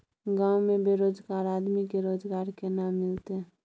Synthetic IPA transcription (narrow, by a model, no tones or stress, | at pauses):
ɡãːwmẽbeːɾoːd͡ʒɡaːɾaːd̪mikeɾoːd͡ʒɡaːɾkenamːɪlt̪e